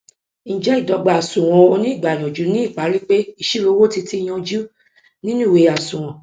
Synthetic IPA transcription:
ñ̩˨d͡ʒɛ˦i˦˨dɔ˨˧ɡ͡ba˨a˨sũ˨w̃ɔ̃˧o˧nĩ˦i˦˨ɡ͡ba˨j̃ɔ̃˨d͡ʒu˨˦nĩ˦i˦˨k͡pa˨˦ɾi˦k͡pe˦i˧ʃi˦lo˨˧˦wo˦ti˧ti˦˧j̃ɔ̃˧d͡ʒu˦ | nĩ˦nũ˦˨we˨˧˨a˨sũ˨w̃ɔ̃˨

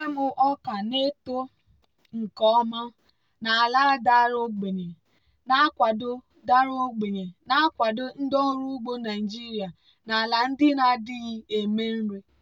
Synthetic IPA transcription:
e˦mʊ˦ʔɔ˦ka˨ne˦to˦ | ŋ̩˨kɔ˦ma˦ | na˨a˨la˦da˦ɾo˦ɡ͡be˨ɲe˨ | na˦a˦kʷa˨do˦ | da˦ɾo˦ɡ͡be˨ɲe˨na˦kʷa˨do˦n̩˦dɔ˦ɾu˦ɡ͡bo˦na˨i˨d͡ʒi˦ɾja˨ | na˨la˨n̩˦dɪ˦na˨dɪ˦ɣi˦e˨me˦n̩˦ɾe˦

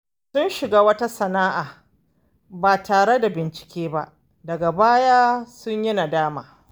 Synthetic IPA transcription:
sʊ˦nʃɪ˨ɡaː˦wɐ˦ta˦sɐ˨naː˦ʔaː˨ | baː˨taː˨ɽe˦da˨bɪ˨nt͡ʃɪ̥˨kʲeː˦ba̰˦ʔ | dɐ˨ɡa˨baː˦jaː˦sʊ˦ɲjɐ˦na˨daː˦ma̰ː˨

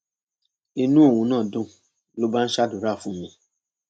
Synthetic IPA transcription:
i˧nũ˦o˦˨wũ˨˧nãː˦˨dũ˦ | lo˦ba˦n̩˦ʃa˦du˨ɾa˦˨fũ˦mĩ˧

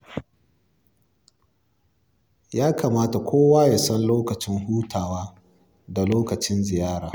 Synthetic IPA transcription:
jaː˦ka˨maː˦ta˨kʷoː˦waː˦ja˨sɔ˦nloː˦kɐ˨t͡ʃɪ˦ŋɦuː˦tʰaː˨waː˦ | da˨loː˦kɐ˨t͡ʃɪ˦nzɪ˨jaː˦ɽaː˨

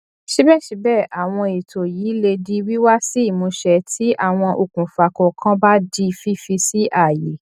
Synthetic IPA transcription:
ʃi˦bɛ˦˨ʃi˧˦bɛ˦˨ʔa˨w̃ɔ̃˧i˨tʰo˨jiː˨˦le˧di˧wi˦wa˦si˦i˦˨mũ˨˧˦ʃɛ˧˦tʰi˨˦ʔa˦˨w̃ɔ̃˧ʔo˨kũ˨fa˨kɔ˨kʰã˦ba˦di˦˧fi˦fi˧si˦ʔa˦˨je˨

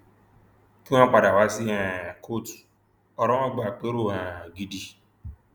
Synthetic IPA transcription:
ki˦ã˦k͡pa˨da˨wa˦si˦ã˨kʰo˦˨t | ɔ˨ɾɔ̃˦ɔ˦ɡ͡ba˨k͡pe˦ɾo˦˨ã˨ɡi˨di˧

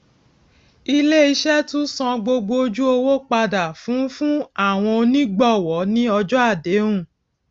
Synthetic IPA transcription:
i˧le˦i˧ʃɛ˦tũ˦sɔ̃˧ɡ͡bo˧ɡ͡bo˧˦d͡ʒu˦o˧wo˦k͡pa˧da˨fũ˨˦fũ˦a˦˨w̃ɔ̃˧o˧nĩ˦ɡ͡bɔ˦˨wɔ˨˦nĩ˦ɔ˧d͡ʒɔ˦a˦˨de˨˦ɾũ˦˨

